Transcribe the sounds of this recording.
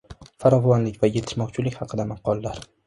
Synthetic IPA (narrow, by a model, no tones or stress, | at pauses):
faɾɒvɒnlɪkʲvaje̞t̪ʰɪ̥ʃmɒqt͡ʃʰɪlɪkʲhɑqʰɨd̪amɑqʰːɒlˠːaɾ